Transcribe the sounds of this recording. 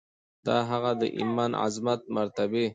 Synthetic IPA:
d̪̥ɑɦaɣad̪ə̰ʔḭmana̰zmat̪̚maɾt̪abi

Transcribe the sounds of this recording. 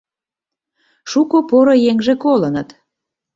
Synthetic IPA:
ʃukopoɾojeŋʒĕkolənət̪

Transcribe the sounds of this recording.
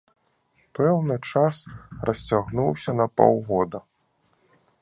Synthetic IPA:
pɛwnɨt͡ʂasrɐsʲt͡sʲaɣnuwsʲɐnɐpɔ̰wɣɔd̪ɐ

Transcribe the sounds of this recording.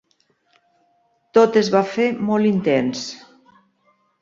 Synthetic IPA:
t̪ot̪ezβafemɔlˠint̪ens

